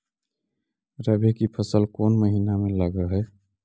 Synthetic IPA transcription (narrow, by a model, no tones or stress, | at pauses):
ɾəbʱekipʰəsəlkonməɦinameləɡəɦɛ